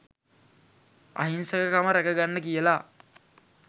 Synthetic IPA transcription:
a̰ɦinsəkəkaməɾækəɡanːəkijəla

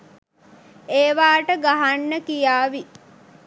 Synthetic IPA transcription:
eːʋaːʈəɡaɦanːəkijaːʋi

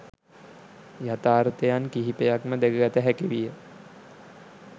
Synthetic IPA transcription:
jat̪aːɾət̪ejankiɦipejakməd̪eɡəɡæt̪əɦækiʋijə

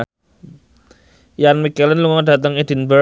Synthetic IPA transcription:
janmikɛlənluŋɔɖa̤t̪̬əŋid̥i̤nbə

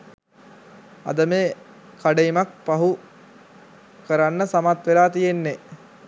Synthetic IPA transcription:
a̰d̪əmeː | kʰaɖeimak̚paɦu | kəɾanːəsamat̪ʋelaːt̪ijenːe

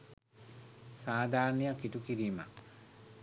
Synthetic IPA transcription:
saːd̪ʱaːɾnijakitukiɾiːma

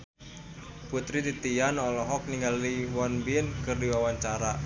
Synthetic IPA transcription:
put̪ɾit̪it̪ianɔlɔɦɔk̚niŋɡaliwɔnbinkɨrdiwawaɲt͡ʃaɾa

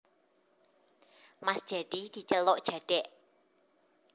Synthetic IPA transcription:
masd̥ʒ̥ad̪̥id̪̥i̤t͡ʃəloʔd̥ʒ̥a̤ɖ̥ɛʔ

